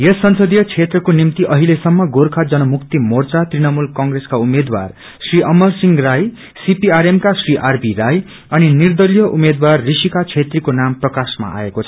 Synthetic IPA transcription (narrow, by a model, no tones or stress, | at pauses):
jesːʌnsʌd̪ijʌt͡sʰet̪rʌkonimt̪iʔʌɦilesʌmːʌɡorkʰad͡zʌnʌmukt̪imort͡sat̪rinʌmulkʌŋɡreskaumed̪wa̰r | sriʔʌmʌrsiŋɡraj | sipiaɾemkasriʔarbiraj | ʌninird̪ʌlijʌʔumed̪warːisikat͡sʰet̪rikonamprʌkasma̰ʔa̰ekot͡sʰʌ̥